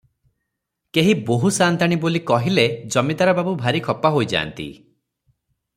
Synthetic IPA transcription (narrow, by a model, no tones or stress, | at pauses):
keɦiboɦusant̪aɽ̃ibolikɔɦiled͡ʒɔmid̪aɾɔbabubʱaɾikʰɔpaɦojd͡ʒa̰ːnt̪ḭ